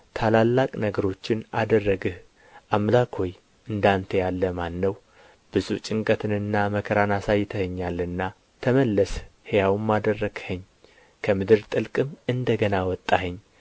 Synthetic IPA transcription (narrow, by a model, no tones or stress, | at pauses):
t̪ʰalalːakʼnəɡəɾo̞t͡ʃːɪnad̪ərːəɡɨh | ʔamlakʰo̞j | ɨnd̪ant̪ʰəjalːəmanːəw | b̥ɨzut͡ʃʼɪŋkʼət̪ʰɨnɨnːaməkʰəɾanasajːɪt̪ʰəhəɲːalɨnːa | t̪ʰəməlːəshejawmːad̪ərːəɡ̥həɲː | kʰəmɨd̪ɨɾt̪ʼɨlkʼɨmɨnd̪əɡənawɔt̪ʼːahɨɲː